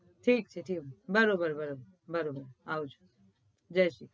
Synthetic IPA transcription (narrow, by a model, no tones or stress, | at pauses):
ʈʰiːk̚t͡ʃʰeʈʰiːkbəɾobəɾbəɾobəɾ | bəɾobəɾawut͡ʃʰu̥ | d͡ʒəʃi